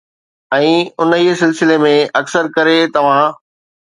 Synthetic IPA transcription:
ɛ̃ːʊnɦiːsɪlsɪlemẽɐksəɾkɐɾet̪ɐʋ̤ã

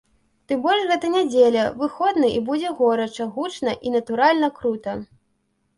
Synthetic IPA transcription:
t̪ɨmbɔlʐɣɛt̪ɐnʲad͡zʲelʲɐvɨxɔd̪nɨʔibud͡zʲɛɣɔɾɐt͡ʂɐɣut͡ʂnɐʔinɐt̪uɾalʲnɐkɾut̪ɐ

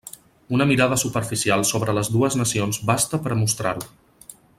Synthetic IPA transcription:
unəmiɾað̞əsupəɾfisialˠsoβɾələzðuəznəsionzbast̪əpəɾmust̪ɾaɾlu

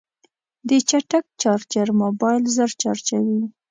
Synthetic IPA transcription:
d̪ət͡ʃaʈak̚t͡ʃɑɾt͡ʃaɾmobɑjlzəɾt͡ʃɑɾt͡ʃawi

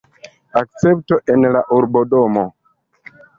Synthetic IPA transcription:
ak̚t͡se̞ptoʔenla̰ʔuɾbo̞do̞mo̞

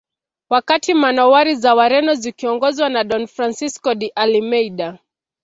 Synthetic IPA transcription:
wakatimanɔwaɾizawaɾɛnɔzikiɔŋɡɔzwanaɗɔnfɾansiskɔɗiʔalimɛiɗa

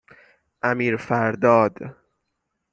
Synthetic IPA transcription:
ʔæmiːɾfæɾd̪ɒːd̪

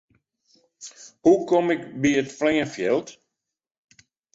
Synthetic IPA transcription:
hukomɪkbiətflɛːəfjɛlˠt

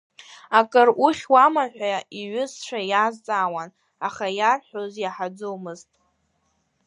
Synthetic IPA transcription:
akʼɨruχʲwamaħʷᶣaiɥʊsʂʷʰajazt͡sʼawan | aχajarħozjaħad͡zowmɨztʼ

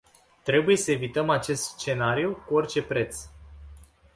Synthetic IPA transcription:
t̪ɾe̞buje̞səe̞vit̪əmat͡ʃe̞st̪st͡ʃe̞naɾijukuo̞rt͡ʃe̞pɾe̞t̪s

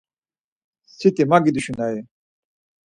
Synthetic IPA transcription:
sit̪emaɡid̪uɕund̪aje

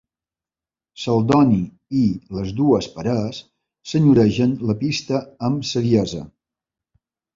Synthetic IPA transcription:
səlˠd̪ɔni | iləzðuəspəɾasː | əɲuɾɛʒənləpist̪əəmsəðiɛzə̰

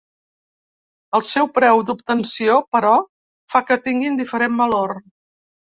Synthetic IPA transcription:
əlˠsɛwpɾɛwd̪upt̪ənsiopəɾɔ | fakət̪iŋɡind̪ifəɾembəlor

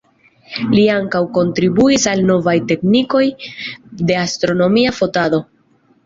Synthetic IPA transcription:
liaŋkawko̞ntɾibuisalno̞vajte̞kniko̞j | de̞astɾo̞no̞miafo̞tado̞

